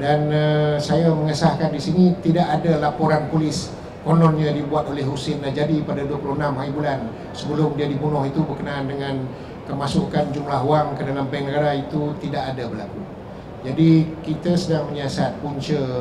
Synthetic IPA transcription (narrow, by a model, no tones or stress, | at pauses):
danəsajaməŋəsahkandisinĩt̪idaʔadalapoɾanpulɪs | konɔnɲãdibuat̪olɛɦusɪnlahd͡ʒadipadaduəpuluhənamɦaɾibulan | səbəlʊmdiadibunɔhit̪ubərkənaːndəŋãn | kəmasukand͡ʒumlaɦuaŋkədalambɛŋnəɡaɾait̪ut̪idaʔadabərlaku | d͡ʒadikit̪asədaŋməɲasat̪̚puɲt͡ʃə